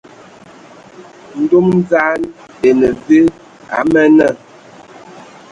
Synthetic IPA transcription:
n̩˦do˦mn˦za˦n | e˨nə˨ve˦ | a̰˨˦mɛ˦nə˦˨

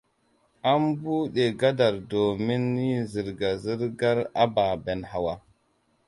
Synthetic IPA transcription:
a˦mbu˦ɗe˨ɡa˦da˨ɾdo˨mi˦nːi˦zi˨ɾɡa˨zi˦ɾɡa˦ɾa˦ba˨be˨nha˨wa˦

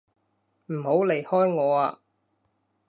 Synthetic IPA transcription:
m̩˨˩ho˨˥wle˨˩jhɔː˥jŋɔː˨˧aː˧

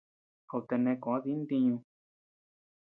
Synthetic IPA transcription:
ko˨t̪e˧nẽ˧kõ˨˦ði˦nd̪ĩ˧ɲũ˧

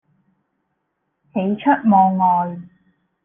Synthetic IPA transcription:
he˨˥jt͡ʃʰɵ˥t̚mɔː˧ŋŋɔː˨j

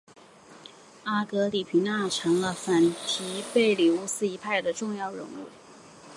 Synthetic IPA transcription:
a˥˩kɤ˧˥li˨˩pʰi˧˥ŋna˥˩ʈ͡ʂʰɤ˧˥ŋlə˧fa˨˩nt̪ʰi˧˥pe˥˩ɪli˨˩u˥˩sɹ̩˥˧i˧˥pʰa˥˩ɪd̪ə˩ʈ͡ʂʊ˥˧ŋjɑ˥˩ʊɻʊ̰˧˥ŋṵ˥˩

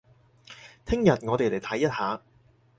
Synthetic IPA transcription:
t̪ʰɪ˥ŋjɐ˨t̚ŋɔː˨˧t̪e˨jle˨˩jt̪ʰɐ˨˥jːɐ˥t̚haː˨˧

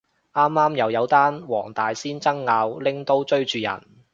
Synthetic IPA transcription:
ʔaː˥mːaː˥mjɐ˨˧wjɐ˨˧wt̪aː˥nwɔ̰ː˨˩ŋt̪aː˨jsiː˥nt͡sɐ˥ŋːaː˨˧wlɪ˥ŋt̪o˥wt͡ʃɵ˥ɥt͡ʃyː˨jɐ̰˨˩n

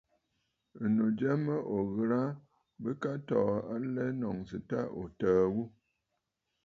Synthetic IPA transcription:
ə˨no˨d͡ʒɛ˦mə˦ʔo˨ɣə˨ɾa˦ | bə˦ka˦tɔ˨a˦lɛ˦nɔ˨ŋsɨ˨ta̰˦ʔo̰˨təː˨wu˦

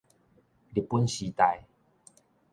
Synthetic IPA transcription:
di˨˩pːu˦nɕi˨˧t̪a˧j

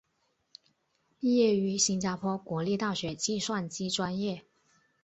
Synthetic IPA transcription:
pi˥˧jɛ˥˩y˧˥ɕi˥nt͡ɕja˥pʰwɔ˥kwɔ˧˥˦li˥˧t̪ɑ˥˩ʊɕɥɛ˧˥t͡ɕi˥˧ʂwa˥˩nt͡ɕi˥ʈ͡ʂwa˥njɛ˥˩

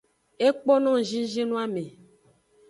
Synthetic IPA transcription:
e˦k͡pɔ˦nɔ̃˦˨ʒĩ˦ʒĩ˦nũ˦a˦me˨

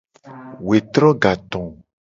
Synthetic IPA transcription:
we˨t̪ɾɔ̃˦ɡa˨t̪ɔ̃˨

